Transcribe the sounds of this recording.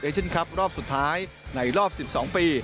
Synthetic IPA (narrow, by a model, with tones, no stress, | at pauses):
ɯː˥˩t͡ɕʰe˥˩nkʰa˦˥p̚ɾɔː˥˩p̚su˨˩t̪ʰːaː˦˥j | na˧jɾɔː˥˩p̚si˨˩p̚sɔː˩˦ŋpiː˧